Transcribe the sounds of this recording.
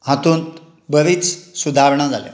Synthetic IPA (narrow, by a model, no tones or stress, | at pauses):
ɦat̪uːnt̪ | bəʋiːt͡ssud̪ʱaɾɳ̃ad͡zalja̰